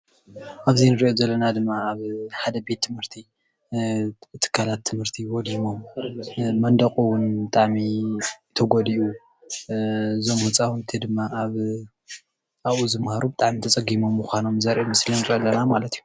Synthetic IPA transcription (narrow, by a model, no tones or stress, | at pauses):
ʔaβzinɨɾʔozɐlːɐnad̪ɨmːaːβħad̪ɐbe̞t̪ʰːɨmhɨɾt̪ʰi | t̪ʰːɨ̥kʰːalat̪ʰːɨmhɨɾt̪ʰiwɔd̪imo̞m | mɐnd̪ɐqʼuwʊnbɨt̪ʼaʕmit̪ʰɐɡod̪iu | ɨzo̞mhut͡sʼawʊnɨt̪ʰed̪ɨmːaaβ | aβuzɨmhaɾubɨt̪ʼaʕmit̪ʰɐt͡sʼɐɡimo̞mːuxʷano̞mzɐɾʔomɨslinɨɾɐʔlːɐnamalɐt̪ʰiju